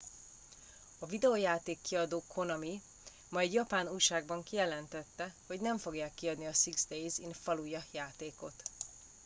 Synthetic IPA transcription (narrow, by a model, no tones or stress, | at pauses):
ɒvid̪ɛojaːt̪eːkːiɒd̪oːkʰo̞nɒmi | mɒɛɟjɒpaːnuːjʃaːɡ̚bɒŋkijɛlɛnt̪ɛt̪ːɛho̞ɟnɛɱfo̞ɡjaːkːiɒd̪niɒsiɡzd̪ejzinfɒlujɒjaːt̪eːko̞t̪